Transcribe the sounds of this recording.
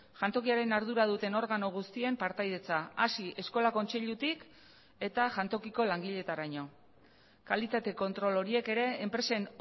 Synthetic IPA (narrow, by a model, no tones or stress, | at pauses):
ʝant̪o̞kiaɾe̞naɾð̞uɾað̞ut̪e̞no̞ɾɣano̞ɣ̞ust̪ie̞mpaɾt̪ajðe̞t͡saasiʔe̞sko̞lako̞nt͡seʎut̪ik | e̞t̪aʝant̪o̞kiko̞laŋɡiʎe̞t̪aɾaɲo̞ | kalit̪at̪e̞ko̞nt̪ɾo̞lo̞ɾie̞ke̞ɾe̞ːmpɾe̞sen